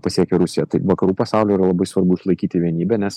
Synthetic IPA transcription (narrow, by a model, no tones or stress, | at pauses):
pɐsʲiɛkʲɛɾʊsʲɪjɛt̪ɐɪʋɐkɐɾuːpɐsɑˑʊlʲʊːiːɾɐlˠɐbɐɪsʋɐɾbʊɪʃlˠɐɪkʲiːt̪ʲɪʋʲiɛnʲiːbʲɛnʲɛs